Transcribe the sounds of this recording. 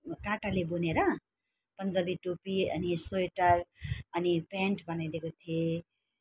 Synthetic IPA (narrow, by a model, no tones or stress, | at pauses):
kaʈalebuneɾʌ | pʌnd͡zʌbiʈopiʌ̰nisojʈaɾʌnipɛ̃ɳʈbʌnajd̪ekot̪ʰie